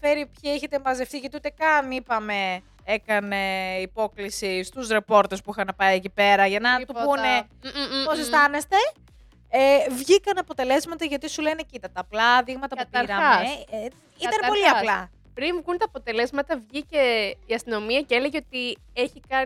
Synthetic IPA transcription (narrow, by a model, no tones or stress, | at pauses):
fe̞ɾipçieçet̪emvɐzeft̪iʝɐt̪iut̪ekɐnipɐme̞ | ekɐne̞ipo̞klisist̪uzɾe̞po̞ɾt̪espuixɐnɐpɐjecipe̞ɾɐʝɐnɐt̪uune | posest̪ɐne̞st̪e̞ | evʝikɐnɐpo̞t̪e̞le̞zmɐt̪ɐʝɐt̪isule̞necit̪ɐt̪ɐːplɐðiɣmɐt̪ɐkɐut̪ɐɾɾɐɐ | it̪ɐno̞liɐplɐ | pɾimkunt̪ɐːpo̞t̪e̞le̞zmɐt̪ɐvʝiceiɐst̪ino̞miɐcele̞ʝeot̪ie̞çikɐ